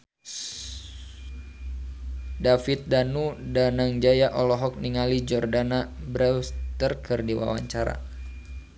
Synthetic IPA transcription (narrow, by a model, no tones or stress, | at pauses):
dafit̪̚danudanaŋd͡ʒajaʔɔlɔɦɔk̚niŋalid͡ʒɔrdanabɾɛwst̪ərkʰɨrdiwa̰wa̰ɲt͡ʃaɾa̰